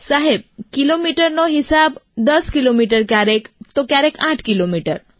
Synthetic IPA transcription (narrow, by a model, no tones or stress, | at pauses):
saɦeb̚kilomiʈəɾnɔɦisabd̪əskilomiʈəɾkjaɾekt̪ɔkjaɾekʰãʈʰkilomiʈəɾ